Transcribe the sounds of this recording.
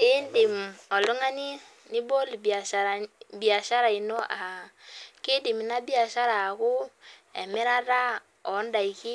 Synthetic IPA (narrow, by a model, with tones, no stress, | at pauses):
ɪ˦ndɪ˨mɔ˨lʊ˦ŋa˦ni˦ | nɪ˦bo˦lba˨abi˨a˨ʃa˦ɾa˨i˨no˦ʔa˨ | kɪ˦di˨m˨na˦bi˦a˨ʃa˦ɾa˨kʊ˦ | ɛ̰˨mɪ˦ɾa˦ɾa˦ | ɔ˨˦nda˨i˨ki˦